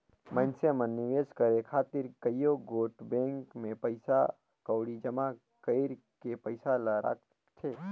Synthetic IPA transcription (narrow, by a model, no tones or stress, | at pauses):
mə̃nsemənːɪʋeːskəɾekʰaːt̪ɪɾkəjjoɡoːʈbẽːŋkmẽpəɪsa | kəwɽid͡ʒəma | kəɪɾ | kepəɪsalaɾa̰ːk | t̪ʰeː